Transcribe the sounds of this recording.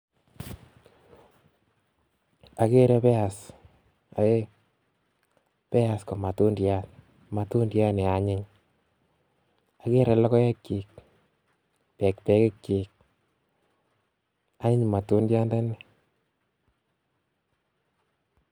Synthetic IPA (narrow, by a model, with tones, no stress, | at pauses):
a˨ke˦ɾɛ˦pɛ˦a˨s | a̰˨e˦ | pɛ˦a˨sko˨ma˨tu˦ndja˦t | ma˨tu˦ndja˦ne˨a˨ɲɪ˦ɲ | a˨ke˦ɾɛ˨lɔ˦kɔ˦jɛ˦kːɪ˨k̚ | pɛ˨ktɛ˦kɪ˦kt͡ʃi˨k̚ | a˦ɲɪ˦ɲma˨tu˦ndja˦nda˦ne˦